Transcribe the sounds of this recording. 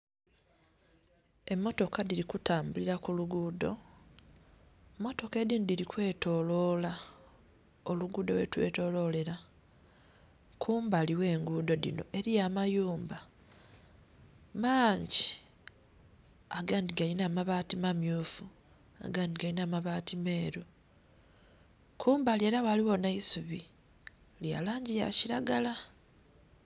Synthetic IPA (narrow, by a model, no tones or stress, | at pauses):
e̞mːo̞to̞kadiɾikutaːmbuliɾakuluɡuːdo̞̰ | mːo̞to̞ke̞diːndiɾikwe̞ːto̞ːlo̞ːla | o̞luɡuːdo̞̰we̞̰twe̞̰ːto̞ːlo̞ːle̞ɾa | kʰuːmbaːliwe̞ːŋɡuːdo̞dḭno̞̰ʔe̞ɾijamajuːmba | maːɲɟi | aɡaːndiɡalinaːmaβaːtimamjuːfu | a̰ɡaːndiɡainaːmaβaːtime̞ːɾu | kʰuːmbalie̞ːɾawaliwo̞naisuβi | lja̰ːlaːɲɟija̰ciɾaɡala